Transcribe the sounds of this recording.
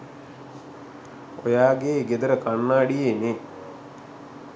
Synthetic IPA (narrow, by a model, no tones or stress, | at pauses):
ojaːɡeːɡed̪əɾəkanːaːɖijene